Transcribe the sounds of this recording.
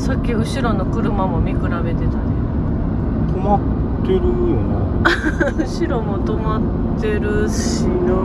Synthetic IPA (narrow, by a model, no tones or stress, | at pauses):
sakʲːiɯ̟ɕiɾo̞no̞kɯ̟ɾɯ̟mamo̞mʲikɯ̟ɾabe̞t̪e̞t̪ad̪e | t̪omat̪ːeɾɯ̟ona | ɯɕiɾo̞mo̞t̪o̞mat̪ː | e̞ɾɯ̟ɕ | i